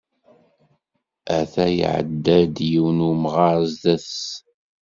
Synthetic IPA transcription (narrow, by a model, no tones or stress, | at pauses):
æθæj̰ʕə̰d̪ːæd̪jiwnumʁɑɾzðæs